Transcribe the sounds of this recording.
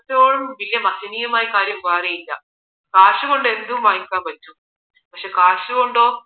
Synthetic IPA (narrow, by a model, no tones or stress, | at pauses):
t̪oːɻumʋiljɐmɐsiniːjɐmaːjikaːɾjɐmɡaːɾejinːa̰ | kaːɾʂuɡoɳɖend̪uumaːiŋkaːʋɐt͡ʃːu | pɐkʂe̞ːkaːʂuɡoɳɖoː